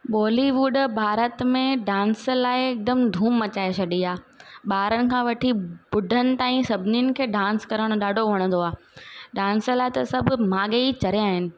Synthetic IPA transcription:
ɓɔːliʋuːɖbʱaːɾət̪mẽɖãːnslaːɪɪk̚d̪əmd̪ʱũːmːɐt͡ɕaːet͡ɕʰɐɗiaːɓaːɾənɪ̆kʰãːʋɐʈʰibʊɖʱənɪ̆t̪aːĩsɐbʱɪniʊnɪ̆kʰeːɖãːnskɐɾəɽ̃ʊɗaːɖʱoʋɐɽ̃ə̃nd̪oaː | ɖãːnslaːɪt̪ɐsɐbʱʊmaːɠeit͡ɕɐɾijaːɦɪnɪ̆

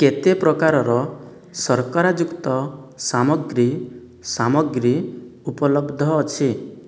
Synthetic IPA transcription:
ket̪epɾɔkaɾɔɾɔ | sɔɾkɔɾad͡ʒukt̪ɔsamɔɡɾi | samɔɡɾiupɔlɔbd̪ʱɔːt͡ʃʰi

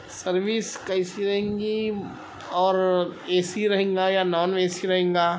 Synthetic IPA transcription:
sɐɾʋiskɐɪsiɾɐɦẽŋɡi | ɔːɾeːsiɾɐɦẽːŋɡajanɔːnʋeːsiɾɐɦẽːŋɡaː

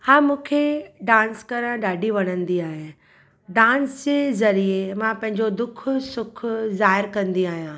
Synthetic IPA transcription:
hãːmũːkʰeɖãːnskɐɾə̃ɖaːɖiʋɐɽ̃ə̃nd̪iaːɦe | ɖãːnsd͡ʑeːzɐɾiemãpɐ̃ɦɪ̃ɲd͡ʑod̪ʊkʰʊsʊkʰʊzaːɦɪɾkɐ̃nd̪iaːɦijãː

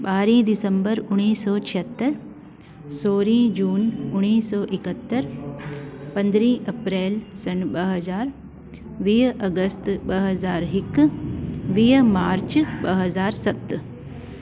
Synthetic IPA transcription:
ɓaːɾĩːd̪ɪsəmbəɾʊɽ̃iːsɔːt͡ʃʰiɦət̪ːəɾ | soːɾĩːd͡ʒuːnʊɽ̃iːsɔːʔɪkət̪ːəɾ | pɐ̃nd̪ɾĩːʔɐpɾeːlsɐnɓɐɦɐzaːɾ | ʋiːɦɐɡəst̪ɓɐɦɐzaːɾɦɪk | ʋiːɦmaːɾt͡ʃbɐɦɐzaːɾsɐt̪

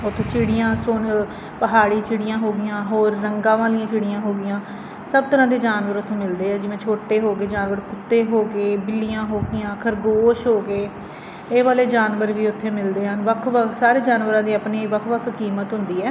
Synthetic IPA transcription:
ʊt̪ʰːõːt͡ʃɪɽɪjãːsoːn | pəɦaːɽiːt͡ʃɪɽɪjãːɦoːɡɪjãːɦoːɾːəŋɡãːʋaːlɪjãːt͡ʃɪɽɪjãːɦoːɡɪjãː | səb̚t̪əɾãːd̪eːd͡ʒaːnʋəɾʊt̪ʰːõːmɪld̪eːɛːd͡ʒɪʋẽːt͡ʃʰoːʈeːɦoːɡeːd͡ʒaːnʋəɾkʊt̪ːeːɦoːɡeːbɪlɪjãːɦoːɡɪjãːkʰəɾɡoːʃɦoːɡeː | eːʋaːleːd͡ʒaːnʋəɾʋiːʊt̪ʰːeːmɪld̪eːɦənʋəkʰʋəkʰsaːɾeːd͡ʒaːnʋəɾãːd̪iːaːpneːʋəkʰʋəkʰkiːmət̪ɦʊnd̪iːɛː

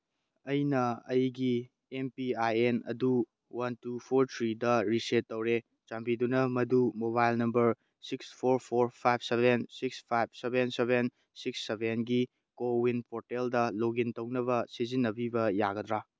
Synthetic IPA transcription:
ɐjnɐɐjɡi | empiajenɐ̰du | wɐntupʰoɾtʰɾidɐɾisetːɐwɾe | t͡ʃambidunɐmɐdumoβajlnɐmbɐɾ | sikspʰoɾpʰoɾpʰajb̚sebensikspʰajb̚sebenseben | siksːebʱenɡi | kowinpʰoɾteldɐloɡintɐwnɐβɐsizinːɐbibɐjaɡɐd̪ɾa

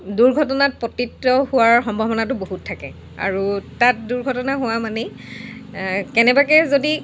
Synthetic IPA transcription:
duɹɡʱɔtɔnat̚pɔtitːɔhʊwaɹxɔmbʱɔbɔnatʊboɦutʰːakɛ | a̰ɹutat̚duɹɡʱɔtɔnaɦʊwamanɛ | kɛnɛbak̬ɛzodi

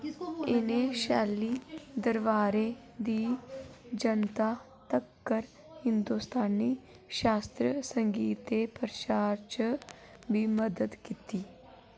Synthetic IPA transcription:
ɪneːʃɛːliːd̪əɾʋaːɾeː | d̪iː | d͡ʒənt̪aː | t̪əkːəɾ | hɪnd̪uːst̪aːnːiː | ʃaːst̪ɾəsəŋɡiːt̪eːpəɾt͡ʃaːɾt͡ʃ | biːməd̪əd̪kiːt̪iː

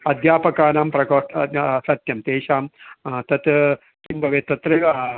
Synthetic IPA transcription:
ɐd̪ʱjaːpɐkaːnaːmpɾɐkoːʈsɐt̪jɐmt̪eːʃaːmt̪ɐt̪ | kimbʱɐʋeːt̪ɐt̪ɾeʋɐɐ

